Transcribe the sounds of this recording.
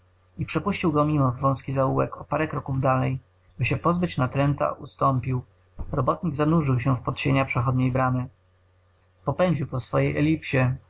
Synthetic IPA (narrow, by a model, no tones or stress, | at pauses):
ipʂɛpuɕt͡ɕiwɡɔmʲimɔvvɔ̃w̃skʲizauwɛkɔpaɾɛkɾɔkuvd̪alɛj | bɘɕɛpɔzbɘt͡ɕnat̪ɾɛnt̪a̰ʔust̪ɔmpʲiw | ɾɔbɔt̪ɲiɡzanuʐɘwɕ̬ɛfpɔt̪ɕeɲapʂɛxɔd̪ɲejbɾamɘ | pɔpɛɲd͡ʑiwpɔsfɔjejʔɛlʲipɕɛ